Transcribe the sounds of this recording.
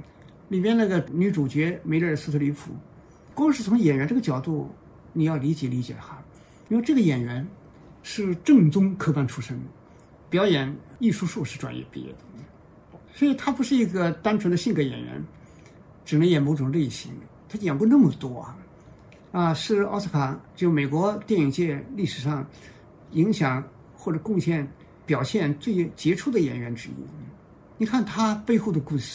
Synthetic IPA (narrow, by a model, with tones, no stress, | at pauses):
li˨˩mjɛ˥nna˥˩ɡə˩ny˧˥ʈ͡ʂu˨˩t͡ɕɥɛ˧˥me˧˥ɪlə˥˩sɹ̩˥t̪ʰɤ˧˥ly˧˥pʰṵ˨˩ | kwŋ˧ʂɻ̩˥˩t͡sʰʊ˧˥ŋjɛ˨˩nɥɛ˧˥nʈ͡ʂɤ˥˩ɡə˩t͡ɕjɑ˨˩ʊt̪u˥˩ | ni˨˩jɑ˥˩li˧˥t͡ɕjɛ˨˩˥li˧˥t͡ɕjɛ̰˨˩xa˧˥ | i˥we˥˧ʈ͡ʂɤ˥˩ɡə˩jɛ˨˩nɥɛ˧˥n | ʂɻ̩˥˧ʈ͡ʂɤ˥˩˧ŋt͡sʊ˥ŋkʰɤ˥pa˥nʈ͡ʂʰu˥ʂɤ˥ŋ | pjɑ˧˥ʊjɛ˨˩˦ni˥˩ʂu˥ʂu˥˧ʂɻ̩˥˩ʈ͡ʂwa̰˨˩njɛ̰˥˩pi˥˧jɛ̰˥˩d̪̥ə˩ | swɔ˧˥i˨˩t̪ʰa˥pu˧˥ʂɻ̩˥˩i˧˥ɡə˧t̪a˥nʈ͡ʂʰə˧˥nd̪ə˧ɕi˥˩ŋkə˧˥jɛ̰˨˩nɥɛ̰˧˥n | ʈ͡ʂɻ̩˨˩nə˧˥ŋjɛ˨˩mo˧˥ʊʈ͡ʂʊ˨˩ŋle˥˩ɪɕi˧˥ŋ | t̪ʰa˥jɛ˨˩ŋkwɔ˥˧nə˥˩mə˩t̪wɔ˥ɐ̰˩ | ɐ˧ʂɻ̩˥˩ɑ̰˥s̩ʰ˥kʰa˨˩˦ŋt͡ɕjo˥˩ʊme˨˩ɪkwɔ˧˥t̪jɛ˥˩ni˨˩ŋt͡ɕjɛ˥˧li˥˩ʂɻ̩˨˩ʂɑ˥˧ŋ | i˧˥ŋɕjɑ˨˩ŋ | xwɔ˥˩ʈ͡ʂɤ˨˩kʊ˥˧ŋɕjɛ˥˩n | pjɑ˨˩ʊɕjɛ˥˧nt͡swe˥˩ɪt͡ɕjɛ˧˥ʈ͡ʂʰu˥˩d̪ə˩jɛ̰˨˩nɥɛ˧˥nʈ͡ʂɻ̩˥ḭ˥ | ni˨˩kʰa˥˩nt̪ʰa˥pe˥˧ɪxo˥˩d̪ə˩ku˥˩ʂ̩˥˩